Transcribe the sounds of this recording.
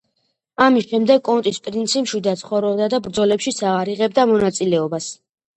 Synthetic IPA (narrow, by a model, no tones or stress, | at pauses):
amisʃɛmd̪ɛɡkʼɔnt̪ʼispʼɾint̪sʰipʼʃid̪at̪sʰχɔvɾɔbd̪ad̪abɾd̪zɔlɛpʃisaaɾiʁɛb̚d̪amɔnat̪sʼilɛɔbas